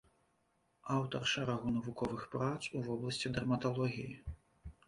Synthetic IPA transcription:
awt̪ɐrʂɛɾaɣunɐvukɔvɨxpɾat̪suvɔblˠɐsʲt͡sʲid̪ɐrmɐt̪ɔlˠɔɣʲiji

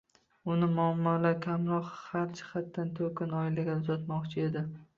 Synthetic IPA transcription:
ʊnɪmʊamːɒlaɾkʲʰamɾɒqhaɾt͡ʃɪ̥χat̪ːant̪ʰɵkʲɪnɒɪlaɡʲaʊzat̪mɒqt͡ʃʰɪe̞d̪ɪ

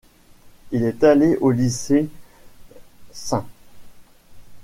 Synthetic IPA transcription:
ilɛt̪aleʔolise | sɛ̃

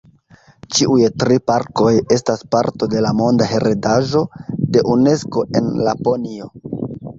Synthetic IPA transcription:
t͡ʃiʔujtɾipaɾko̞je̞staspaɾto̞de̞lamo̞ndaɦe̞ɾedaʒo̞de̞ʔune̞sko̞ʔe̞nlapo̞nio̞

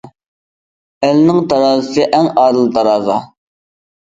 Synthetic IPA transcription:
ælnɪŋt̪ɑɾɑːzɨsɨʔɛŋɑːd̪ɨlˠt̪ʰɑɾɑːzɑ

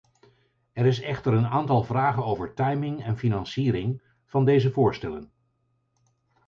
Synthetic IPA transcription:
ɛɾɪs̬ɛχtəɹənaːntɑlˠvraːχənowvəɹtɑjmɪŋɛnfinɑnsiːɾɪŋ | v̥ɑndejzəvʊːɹstɛlən

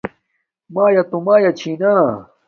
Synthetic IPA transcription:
maːjɐt̪umaːjat͡ɕʰiːnaː

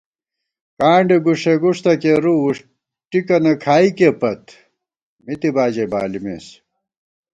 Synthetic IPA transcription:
kaːɳɖiɡuʂeɡuʂt̪ɐkeɾuuʂ | ʈikɐnɐkʰaːikepɐt̪ | mit̪ibaːd͡ʑeba̰ːlimḛs

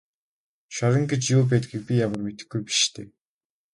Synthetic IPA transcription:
ʃɔɾə̆ŋɡet͡ɕjuːp̬æːt̪ɡiːk̚pʲijamə̆rmet̪ɘ̆xɡujpi̥ʃt̪ʰḛː

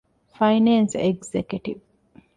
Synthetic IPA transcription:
fɐjnenseɡzekuʈiʋ

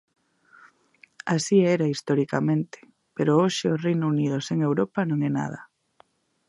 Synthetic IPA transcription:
asiɛɾaist̪oɾikamẽnt̪ɪ̥ | peɾooʃɪorejnunið̞oseŋewɾopanõŋɛna̰ð̞ɐ

